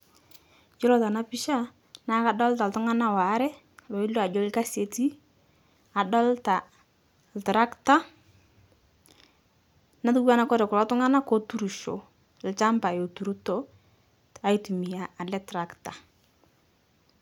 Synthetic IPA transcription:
d͡ʒɪ˦ɾɔ˦ta˨na˦pi˦ʃa˦ | na˦ka˨dɔ˦lta˨ltʊ˦ŋa˦na˦˨wa˨˦ɾɛ˦ | lo˨i˦lo˦a˨d͡ʒo˦ɪ˦lka˦se˨ti˦ | a˨dɔ˦lta˨ | ltɾa˦kta˦ | na˦tu˦ɡa˦na˦kɔ˦ɾɛ˨kʊ˨ɾɔ˦tʊ˦ŋa˦na˦ko˦tu˦ɾu˨ʃo̰˨ | lɪ˨t͡ʃa˦mba˨jo˨tu˨ɾu˦to˨ | a˨i˦tu˨mi˨ja˨a˨lɛ˦tɾa˨kta˨

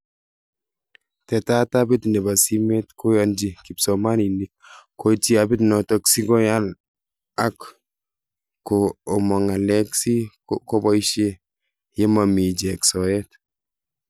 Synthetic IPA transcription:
tɛ˨ta˦tabi˦tnɛ˨ba˨si˦me˦tkʰo˦jɔnd͡ʒiki˨psɔmani˨nik̚koti˦a˨bi˦tnɔtɔksi˦ɡɔ˦jal | ak | koːmɔ˨ŋa˨lɛksi˦ | kɔ˦bɔ˦iʃe | je˦ma˨mi˨d͡ʒeksɔɛt

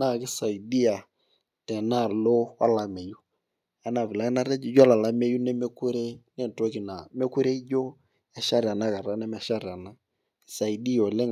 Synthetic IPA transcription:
na˦˨kɪ˦sa˨i˨di˦a˨ | tɛ˨na˦˨lo˦wa̰˦la˨me˨ju˦ | a˨˦na˨vɪ˨la˦ɪ˦na˦ɾɛ˦d͡ʒd͡ʒɔ˦la˨la˦me˦ju˦nɛ˦mɛ˦ku˦ɾe˦nɛ˦˨n˨to˦ki˨na˨me˦ku˦ɾe˦d͡ʒo˦ | ɛ˦ʃa˦ɾa˨na˦ka˨ɾa˨˦nɛ˦mɛ˦ʃa˦ɾa˨na˦˨ | sa˨i˨di˦jo˨le˦ŋ

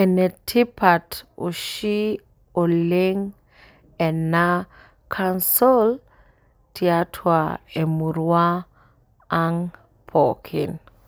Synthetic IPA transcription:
ɛ˨nɛ˨tʰi˦pa˨tṵ˨ʃi˦ | o˨le˦ŋ | ɛ˨na˦ | kʰansɔ˦l | tiatʰwae˨mu˨ɾwaː˦ | ŋ | pʰokʰi˨n

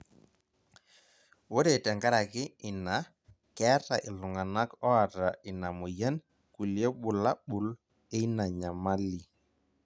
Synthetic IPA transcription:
wo˦ɾe˨tɛ˨ŋɡa˦ɾa˨kɪ˦ɪ˨na˨˦ | kɛ˨˦ta˨ʔɪ˨lʊ˨ŋa˨na˦kɔ˦a˨ta˨ɪ˨na˨mʊ˨jɛ˦n | ku˨ljɛ˦ɓʊ˨la˦ɓʊ˨l | e˦na˨ɲa˨ma˦li˨

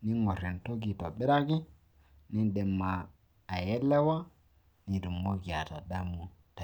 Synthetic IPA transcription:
ni˦ŋɔ˨ɾi˨n˨to˦ɡi˨ta˨bɪ˦ɾa˦ɡɪ˦ | nɪ˦dɛ˨mːaː˨ | jɛ˦lːɛ˦wa˦ | ni˦du˨mo˦ɡi˨a˨ta˨da˦mu˨ta˨

